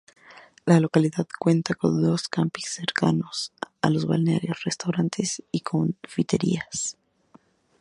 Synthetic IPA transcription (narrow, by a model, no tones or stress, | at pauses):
lalo̞kaliðaðkwe̞nt̪ako̞̰nd̪o̞skampisːe̞ɾka̰no̞sa̰lo̞zβa̰lnea̰ɾjo̞sre̞st̪awɾant̪ʰe̞sikʰo̞nfit̪e̞ɾḭas